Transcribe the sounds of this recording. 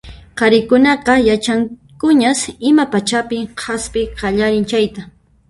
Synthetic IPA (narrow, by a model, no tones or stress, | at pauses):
qɑɾɪkʊnɑqɑjat͡ʃaŋkʊɲasɪmapat͡ʃapɪhʰaspɪqɑʎaɾɪnt͡ʃajt̪a